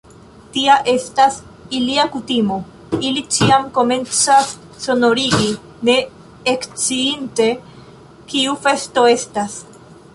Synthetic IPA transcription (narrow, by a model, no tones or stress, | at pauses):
tiaʔe̞stas | iliakutimo̞ | ilit͡ʃiamko̞me̞nt͡sasː | o̞no̞ɾiɡi | ne̞ː | kt͡siinte̞ | kiufe̞sto̞e̞stas